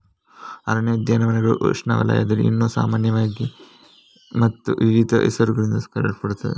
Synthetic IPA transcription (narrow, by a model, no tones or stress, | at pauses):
ɐ̰ɾɐnɐjɐd̪jaːnɐʋɐnɐɡɐɭṵʂna̰ːʋɐla̰ːjɐ̰d̪ɐliḭnːoːsa̰ːmaːnjɐʋaːɡi | mɐt̪ːuʋiʋiːd̪ʱɐʔɛ̰sɐɾuɡɐɭind̪ɐskɐɾɐɭpɐɽut̪ːɐdḛ